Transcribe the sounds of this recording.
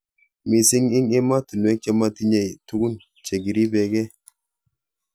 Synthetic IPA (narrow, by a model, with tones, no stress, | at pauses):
mi˨si˦ŋi˦ŋi˦ma˦tu˨n˨e˦ke˦ma˦ti˦ɲe˨jtu˦ɡu˦n | t͡ʃe˨ɡi˨ɾi˦be˨ɡe˦